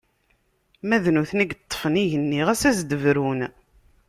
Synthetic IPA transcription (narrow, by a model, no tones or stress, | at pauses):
mæðnuθniɡt̪ˤːfəniʝənːiʁæsæzd̪əvɾun